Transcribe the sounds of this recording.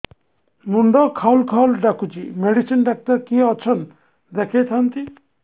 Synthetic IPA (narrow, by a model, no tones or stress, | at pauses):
nuɳɖɔkʰawlkʰawlɖakʰut͡ʃimeɖisinɖak̚ʈaɾkiɔt͡ʃʰɔn | d̪ɛkʰejt̪ʰant̪i